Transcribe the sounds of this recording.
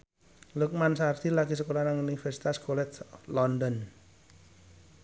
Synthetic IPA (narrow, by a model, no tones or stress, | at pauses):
luk̚mansart̪ilaɡis̬əkolanaŋunifɛrsi̥t̪askolɛt̪lɔndɔn